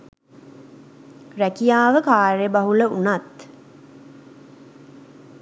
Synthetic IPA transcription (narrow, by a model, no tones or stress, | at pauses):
rækijaːʋəkaːɾejəbaɦuləunat̪